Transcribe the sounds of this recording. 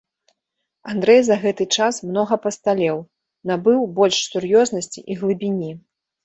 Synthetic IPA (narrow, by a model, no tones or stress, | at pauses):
and̪ɾɛjzɐɣɛt̪ɨt͡ʂasmnɔɣɐpɐst̪alʲɛw | nabɨwbɔlʲʂsurjɔznɐsʲt͡sʲḭʔiɣlˠɨbʲinʲi